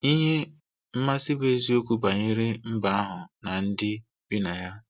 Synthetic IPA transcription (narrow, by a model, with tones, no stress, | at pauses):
i˦ɲe˦ | m̩˦ma˦sɪ˦be˦zi˦o˦ku˦ba˨ɲɪ˦ɾɪ˦m̩˦ba˨˦a˦ɦʊ˨na˨n̩˦dɪ˦ | bi˦na˨ja˦